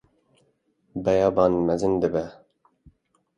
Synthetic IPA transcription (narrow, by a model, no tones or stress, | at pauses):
bɛjɑːbɑːnmɛzɨnd̪ɨbɛ